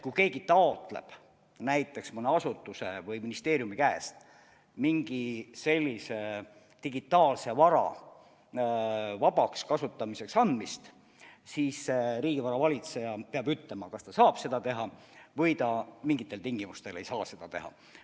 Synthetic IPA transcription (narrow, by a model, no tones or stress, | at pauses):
kujke̞ːɡ̥it̪ɑot̪ˑle̞̰b̥ | næjt̪ːˑe̞ksmuneɑsut̪ːˑuse̞vɯjminist̪e̞ːɾijumikæest̪ | miŋɡ̥ise̞lʲːise | t̪iɡit̪ːˑɑːlse̞vɑɾɑ̰ | vɑbɑkskɑsut̪ːˑɑmise̞ksɑnd̪mist̪ | siːsːeɾiːɡ̥ivɑɾɑvɑlʲit̪se̞jɑpeɑbyt̪ˑle̞mɑkɑst̪ɑsɑːb̥se̞d̪ɑt̪e̞ɦɑ | vɤjt̪ɑmiŋɡ̥it̪ːˑe̞lt̪iŋɡ̥imust̪e̞le̞jsɑːse̞d̪̥ɑt̪e̞̰hɑ̰